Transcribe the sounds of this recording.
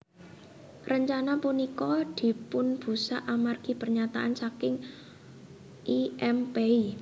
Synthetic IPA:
rəɲt͡ʃanapunikɔd̪̥i̤pʊnb̥ṳsaʔamarɡ̥i̤pərɲat̪aʔansakɪŋ | ʔiɛmpei

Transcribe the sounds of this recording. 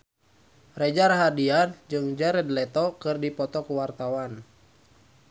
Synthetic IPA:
rɛd͡ʒaɾaɦadiand͡ʒɨŋd͡ʒɛɾɛdlɛt̪ɔkɨrdipɔt̪ɔkuwart̪awan

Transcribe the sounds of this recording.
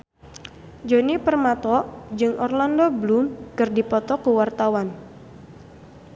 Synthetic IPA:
d͡ʒonipərmat̪ɔʔd͡ʒɨŋʔɔrlandobəlumkɨrdipɔt̪ɔkuwart̪awan

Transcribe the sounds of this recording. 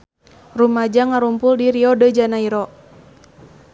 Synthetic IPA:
rumad͡ʒaŋaɾumpʊldiɾiɔdəd͡ʒanaiɾɔ

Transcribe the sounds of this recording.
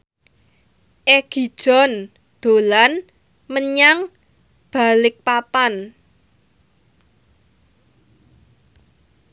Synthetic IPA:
ʔeɡ̥i̤d̥ʒ̥ɔ̤n | d̪̥o̤lan | məɲaŋ | b̥a̤lɪk̚papan

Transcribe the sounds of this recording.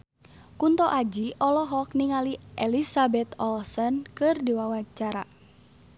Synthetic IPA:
kunt̪ɔʔad͡ʒiʔɔlɔɦɔkniŋaliʔɛlisabɛt̪ɔlsɔnkɨrdiwawat͡ʃaɾa

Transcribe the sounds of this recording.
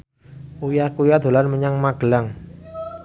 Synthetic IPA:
ujakujad̪̥o̤lanməɲaŋmaɡ̥əlaŋ

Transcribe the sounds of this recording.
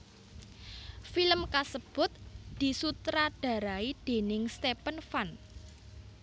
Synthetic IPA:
filəmkasəb̥ʊ̤t̪̚d̪̥i̤sut̪ɾaɖ̥a̤ɾaid̪̥e̤nɪŋst̪epənfan

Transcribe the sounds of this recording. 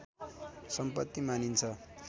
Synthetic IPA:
sʌmpʌt̪ːimanint͡sʰʌ

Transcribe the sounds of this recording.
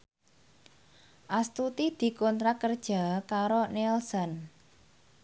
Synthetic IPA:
ʔast̪ut̪id̪̥i̤kɔnt̪ɾakərd̥ʒ̥a̤kaɾonɛlsɔn

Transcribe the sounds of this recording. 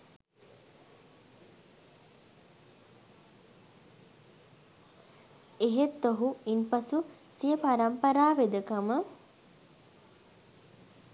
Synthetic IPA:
eɦet̪ːoɦuinpɐsusijəpaɾɐmpɐɾaːʋed̪əkamə

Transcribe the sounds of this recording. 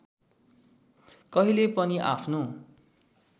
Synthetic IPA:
kʌɦilepʌniʔapʰno

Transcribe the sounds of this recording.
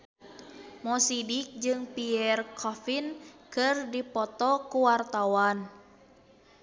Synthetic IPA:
mɔsidik̚d͡ʒɨŋpiɛrkʰɔfinkɨrdipɔt̪ɔkuwart̪awan

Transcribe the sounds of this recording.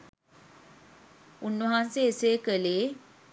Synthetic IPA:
unːəɦanseːseːkəleː

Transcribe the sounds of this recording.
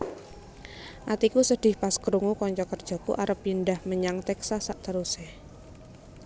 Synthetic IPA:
ʔat̪ikusəɖ̥ɪ̤hpaskəɾuŋukɔɲt͡ʃɔkərd̥ʒ̥ɔ̤kṵʔaɾəpjinɖahməɲaŋt̪ɛksasaʔt̪əɾuseh

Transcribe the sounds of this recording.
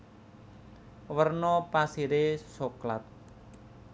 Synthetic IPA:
wərnɔpasiɾesoklat̪̚

